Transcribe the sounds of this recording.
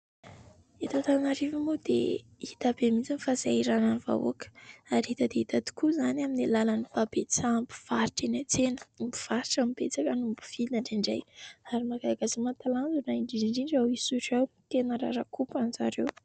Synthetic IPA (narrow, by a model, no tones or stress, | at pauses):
et̪at̪anaɾivimud̪ḛ | it̪abemit͡sinfazaiɾananva̰o̰kə̥aɾiit̪əd̪eit̪ad̪i̥kuzanaminilalanibabet͡sambi̥v̥aɾiʈ͡ʂenat͡senə̥mbi̥v̥aɾiʈ͡ʂamibet͡sakanumbu̥v̥iaɳɖ͡ʐiɳɖ͡ʐa̰jaɾimaɡaɡazimat̪alanzunaiɳɖ͡ʐiɳɖ͡ʐiɳɖ͡ʐawisuʈ͡ʂaw | t̪enaɾa̰ɾakupanzaɾew